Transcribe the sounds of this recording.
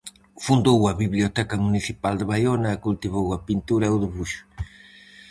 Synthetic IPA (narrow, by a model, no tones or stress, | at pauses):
fund̪owɐβiβliot̪ɛkɐmuniθipald̪əβajonɐɛkult̪iβowɐpint̪uɾɐɛʊðiβuʃʊ̥